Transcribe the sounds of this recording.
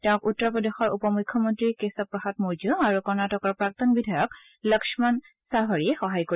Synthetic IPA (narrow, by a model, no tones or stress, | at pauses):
tɛ̃ʊ̃kutːɔɹpɹɔdexɔɹupɔmujkʰːɔmɔntɹikesɔpɹɔxat̚muɹd͡ʒɔaɹukɔɹnatɔkɔɹpɹak̚tɔnbidʱajɔk | ləksɔman | safaɹiɛxɔɦajko